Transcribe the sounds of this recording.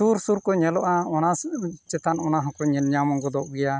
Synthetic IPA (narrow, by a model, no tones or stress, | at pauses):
suɾsuɾkɔɲɛlɔʔaɔnat͡ʃɛt̪anɔnaɦɔ̃kɔɲɛnɲamɔŋɡɔd̪ɔʔɡɛja